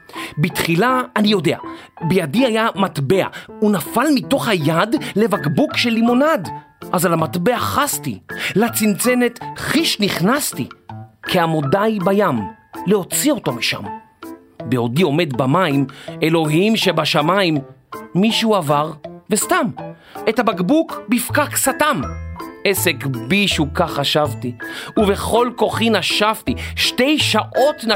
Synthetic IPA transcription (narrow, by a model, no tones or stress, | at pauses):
bitχilaːnijo̞de̞a̰ | bejadiajamatbe̞a̰unafalmito̞χhajadle̞vaɡbukʃelimonad | ʔazalamatbe̞aχastḭlat͡sint͡sene̞tχiʃniχnastḭkʰeamo̞dajbajamleo̞t͡sio̞to̞miʃa̰m | beo̞dio̞me̞dbamaime̞lo̞ɦimʃebaʃamaimː | iʃuavaʁvestam | etabaɡbukbifkaksatamesekbiʃukaχaʃavtiuve̞χo̞lko̞χinaʃavtiʃte̞jʃaʔo̞tn